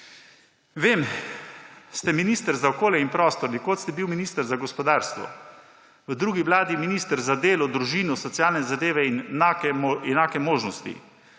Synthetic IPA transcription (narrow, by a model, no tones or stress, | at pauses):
ʋeːm | st̪ɛminiːst̪əɾzaɔkoːljɛinpɾɔːst̪ɔɾnikoːt̪st̪ɛbiwminiːst̪əɾzaɡɔspɔd̪aːɾst̪ʋɔ̰ | ʋəd̪ɾuːɡiʋlaːd̪iminist̪əɾzad̪eːlɔd̪ɾuʒiːnɔsɔt̪sjaːlnɛzad̪eːʋɛinakɛmɛnaːkɛmoːʒnɔst̪ḭ